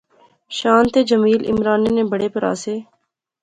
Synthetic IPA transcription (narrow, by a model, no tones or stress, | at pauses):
ʃaːnt̪eːd͡ʒɐmiːlɪ̰mɾaːneːnẽːbəɽeːpɐɾa̰ːseː